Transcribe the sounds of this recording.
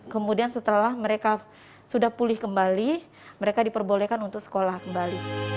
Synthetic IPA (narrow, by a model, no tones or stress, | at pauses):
kəmudiansət̪əlahməɾeka | sudahpulɪhkəmbali | məɾekadipərbolekanunt̪ʊk̚sə̥kolahkəmbali